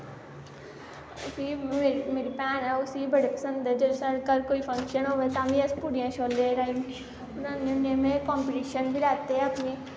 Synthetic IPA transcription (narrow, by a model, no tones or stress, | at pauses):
siːemeːɾipɛːnɛːʊsiːbəɽepəsənd̪ɛd͡ʒəsəɽkəɾkoːiːpʰə̃ŋkʃənɦoːʋeːt̪ãːʋĩːəspʊɽijãːʃʰoːld̪eːɾaːĩ | ʊnãːneʊnẽːmẽːkaːmpiʈiːʃənbiɾaːt̪eɛəpniː